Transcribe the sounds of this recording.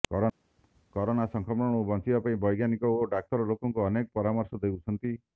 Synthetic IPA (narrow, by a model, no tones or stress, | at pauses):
kɔɾɔnasɔŋkʰɔmɔɽ̃ubɔnt͡ʃibapaĩbɔjɡjanikɔoɖak̚t̪ɔɾɔlokɔŋkuɔnekɔpɔɾamɔɾsɔd̪ewt͡ʃʰɔnt̪i